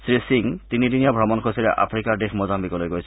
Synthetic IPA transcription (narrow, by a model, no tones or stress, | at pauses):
sɾisiŋt̪inid̪inijabʱɾɔmonkʰosiɾeʔa̰fɾikaɾɖekʰmɔd͡ʑambikolojɡojet͡ɕʰ